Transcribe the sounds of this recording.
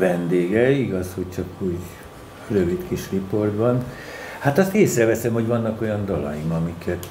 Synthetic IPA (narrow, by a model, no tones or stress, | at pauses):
vɛnd̪eːɡɛiɡɒshoct͡ʃɒkuːɟ | røvit̪kiʃripo̞rd̪bɒn | hat̪ɒst̪eːsrɛvɛsɛmho̞ɟvɒnːɒko̞jɒnd̪ɒlɒ̰jimɒmikʰɛt̪